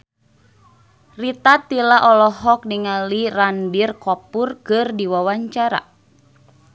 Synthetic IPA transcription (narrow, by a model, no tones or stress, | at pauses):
rit̪at̪ilaʔɔlɔɦɔk̚niŋalirandirkɔpurkɨrdiwawaɲt͡ʃaɾa̰